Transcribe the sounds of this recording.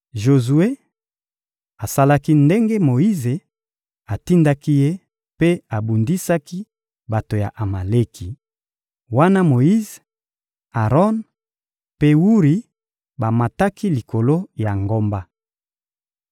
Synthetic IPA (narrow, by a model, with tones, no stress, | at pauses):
ʒo˨zu˨e˦ | a˨sa˦la˦ki˦nde˦ŋɡe˦mo˨ji˦ze˨ | a˨ti˦nda˦ki˦je˦ | pe˦a˨bu˨ndi˦sa˦ki˦ | ba˨to˨ja̰˨ʔa˨ma˨le˦kʰi˨ | wa˦na˦mo˨ji˦ze˨ | a˨ʁɔ˦n | pe˦wu˦ʁi˦ | ba˨ma˨ta˦ki˦li˨kʰo˨lo˦ja˨ŋɡo˦mba˦